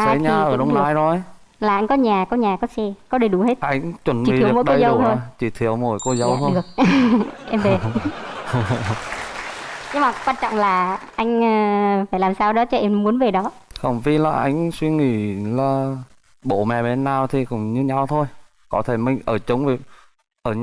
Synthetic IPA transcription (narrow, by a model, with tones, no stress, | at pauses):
ʔasːə˧˨˦jɲaː˧˨˩ʔəː˧˩ɗə˧wŋ͡mnaː˨˦jzo˨˩j | laː˨˩ʔa˧jŋ̟kɔ˨˦ɲaː˨˩kɔ˨˦ɲaː˨˩kɔ˨˦sɛ˧kɔ˨˦ɗe˨˩ɗu˨˦he˦˥t̚ʔa˧jŋ̟t͡ɕwə˨˩nɓḭ˧˨ə˨˩˨mɔ̰˧˥ɗəkːjzə˨˦wt̪ʰo˧jt͡ɕi˧˩t̪ʰi˧˩˨əwmo˧˩jko˧zə˨˦w̪ʰə˧˨˩ək̚ʔɛ˧mve˨˩ | ɲɨ˨˧˦maː˨˩kwaː˧nt͡ɕɔ̰˧˨ŋ͡mlaː˨˩ʔa˧jŋ̟ː˧faː˧˩jlaː˨˩msaː˧wɗɔ˨˦t͡ɕɔ˧ʔɛ˧mmu˨˦ənve˨˩ɗɔ˨˦ | xə˧˩wŋ͡mvi˧˦laː˨˩ʔa˧jŋ̟swi˧ŋḭ˧˩˨laː˨˩ | ɓo̰˧˨mɛ̰˧˨˩ɓe˨˧˦nːaː˨˩wt̪ʰi˨˩kʊ̰˧˩ŋ͡mɲɨ˧ɲa˧wt̪ʰo˧j | kɔ˨˦t̪ʰe˧˩mï˨˩ŋ̟ʔəː˧˩t͡ɕə˨˦wŋ͡mvi˧˩ | ʔəː˧˩ɲ